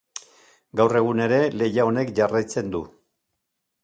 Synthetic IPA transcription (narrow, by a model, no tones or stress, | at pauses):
ɡawre̞ɣ̞une̞ɾe̞le̞jao̞ne̞kʝarajt͡se̞nd̪u